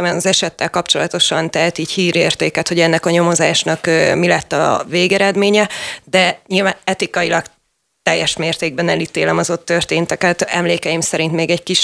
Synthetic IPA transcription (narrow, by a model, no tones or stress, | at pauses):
ɛmɛnɒzɛʃɛt̪ːɛlkɒpt͡ʃo̞lɒt̪o̞ʃɒnt̪ɛɦɛt̪iːchiːɾeːrt̪eːkɛt̪ho̞ɟɛnːɛkɒɲo̞mo̞zaːʃnɒkːmilɛt̪ːɒ̰veːɡɛɾɛd̪meːɲɛd̪ɛɲilvaːnɛt̪ikɒjilɒk | t̪ɛjːɛʃmeːrt̪eːɡ̚bɛnɛlit̪eːlɛmɒzo̞t̪ːørt̪eːnt̪ɛkɛt̪ɛmleːkɛjimsɛɾint̪meːɡɛckiʃ